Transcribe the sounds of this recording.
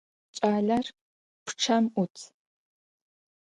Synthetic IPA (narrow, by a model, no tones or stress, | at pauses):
t͡ʃʼaːɮɐr | pʰʈ͡ʂʰɐmʔʊtʰ